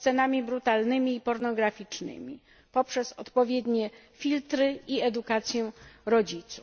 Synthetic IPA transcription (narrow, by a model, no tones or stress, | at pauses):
t̪sɛnamʲibɾut̪alnɘmʲiːpɔɾnɔɡɾafʲit͡ʂnɘ̰mʲḭ | pɔpʂɛsɔt̪pɔvʲjɛd̪ɲɛ | fʲilt̪ɾɘiɛd̪ukat̪sʲjɛɾɔd͡ʑit̪su